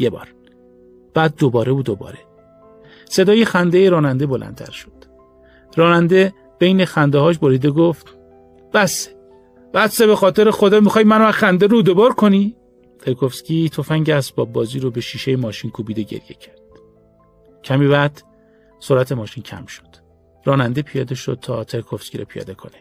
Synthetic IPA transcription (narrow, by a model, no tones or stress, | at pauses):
jebɒ̰ːɾ | b̥æːd̪̚ːobɒːɾe̞buːd̪obɒ̰ːɾe | se̞d̪ɒːjexænd̪ejeɾɒːnænd̪e̞bo̞lʔæ̰nt̪ʰæ̰ɾʃo̥d̪̥ | ɾɒːnænd̪e̞ | b̥e̞jne̞xænd̪ehɒːʃ̬boɾiːd̪eɡoft̪ | b̥æse̥ | b̥æsebe̞xɒːt̪ʰe̞ɾexod̪ɒːmixɒːjmænoxænd̪eɾud̪obɒːɾkʰoni | t̪ʰeɾkʰofscʲit̪ʰo̞fæŋɟeæsbɒːb̚ːɒːziːɾobe̞ʃiːʃejemɒːʃinkʰuːbiːd̪eɟḛɾje̞̰cʰæɾd̪̥ | cʰæmiːvæd̪ | soɾæt̪ʰe̞mɒːʃincʰæ̰mʃo̥d̪̥ | ɾɒːnænd̪e̞pʰijɒːd̪eʃo̰d̪̥̚t̪ʰɒːt̪ʰe̞ɾkʰofskʲiɾo̰pʰijɒ̰ːd̪e̞kʰo̞̰ne